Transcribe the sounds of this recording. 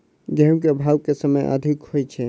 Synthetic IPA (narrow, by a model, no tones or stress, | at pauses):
ɡɛmk̬eəbʱawkesəməjʔa̰d̪ʱikhojt͡ʃʰɛ